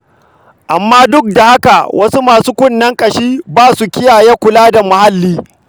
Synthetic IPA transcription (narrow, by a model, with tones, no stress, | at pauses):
ʔa˨mːaː˦dʊ˦k̚da˨ha˦ka˨wʔɐ˦su˦maː˨su˦kʷʊ˦nːɐ˦ŋkʼɐ˨ʃiː˦baː˦su˨kʲɪ˦jaː˨jeː˦kʷʊ˨laː˦da˨mʊ˨ha˦lːiː˦